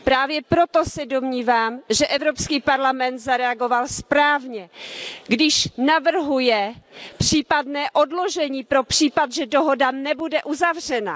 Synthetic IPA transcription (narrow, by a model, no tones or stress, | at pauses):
pɾaːvjɛpɾo̞t̪o̞sɛdo̞mɲiːvaːmʒɛʔɛvɾopskiːpaɾlamɛnt̪zaɾɛaɡo̞valspɾaːvɲɛɡdɪʃnavr̩ɦujɛpr̝̥iːpadnɛːʔo̞dlo̞ʒɛɲiːpɾo̞pr̥iːpat̪ʒɛdoɦo̞danɛbudɛʔuzavr̝ɛna̰